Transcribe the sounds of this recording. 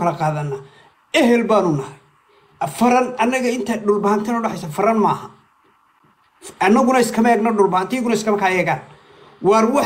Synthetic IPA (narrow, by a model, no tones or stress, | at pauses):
kʰɐlɐqɑːðɐnːa | ɛɦɛlbaːnʊnɐhɐ | fɐɾɐnɐnːɐɣɐɪnt̪ʰɐɖʊlbɐhɐnt̪ʰɐnʊɖɑħɛjsafɐɾɐnmaːhɐ | ɐnːɐɣʊnɐɪskʰɐmɐɛːɡnɐɖʊlbɐhɐnt̪ʰɐjɣʊnɐɪskʰɐmɐkʰaɛːɣaːn | wɑrwɑ